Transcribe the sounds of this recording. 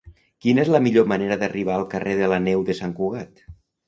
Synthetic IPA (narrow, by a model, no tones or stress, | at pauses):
kinəezləmiʎoməneɾəðəriβ̞aəlˠkəreðələnɛwðəsaŋkuɣat̪